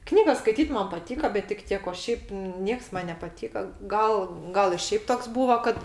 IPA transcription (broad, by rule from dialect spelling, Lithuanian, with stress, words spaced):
ˈknʲiːɡɐs skɐɪˈtʲiːt ˈmɐn pɐˈtʲiːkɐ bʲɛt tʲɪk ˈtʲiɛk oː ˈʃʲɛɪp ˈnʲiɛks ˈmɐn nʲɛpɐˈtʲiːkɐ ˈɡɐlˠ ˈɡɐlˠ ɪ ˈʃʲɛɪp ˈtoːks ˈbuːʋɐ kɐt